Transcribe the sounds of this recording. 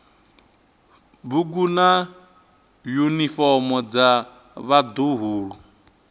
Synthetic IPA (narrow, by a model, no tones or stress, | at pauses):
buɡuna | junifɔmɔd͡za | βad̪oɦuːɺu